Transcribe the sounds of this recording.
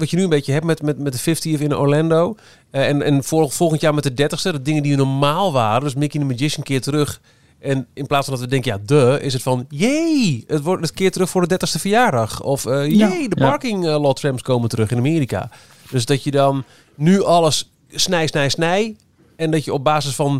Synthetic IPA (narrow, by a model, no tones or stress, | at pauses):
ʋɑtjənyənbeːtjəɦɛpmɛtmɛtmɛt̚dəfɪftiɔfɪnəʔo̰ɹlɛndoː | ɛnɛ̰nffɔlˠxəntjaːɹmɛt̚ədɛtəxstədɔdɪŋəndiʋənɔɹmaːlˠʋaːrəndøsmɪkjəndəməd͡ʒɪʃənkɪːtərøx | ʔɛnɪnplaːsfɔndɔtʋədɛŋkəjadəɪs̬ətfɔnjeətətkɪːətərøxfʊːɹdədɛtəxstəfəjaːɹdɑxɔfəjejdəpaɹkɪŋlɔtrɛmpskoːməntərøxɪnameːɾika̰ | d̥øsdɔtjədɔnː | yʔɔlˠəsː | nɛjsnɛjsnɛj | ɛndɔtjəɔb̚baːsəsfɔn